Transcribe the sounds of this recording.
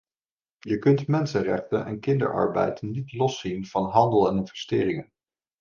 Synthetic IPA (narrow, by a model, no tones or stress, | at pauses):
jəkɵntmɛnsənrɛχtənɛ̰nkɪndə̰ɹʔɑ̰ɹbɛ̰jtnitlɔsinv̥ɑnɦɑndəlˠɛnɪnvɛstɪːrɪŋən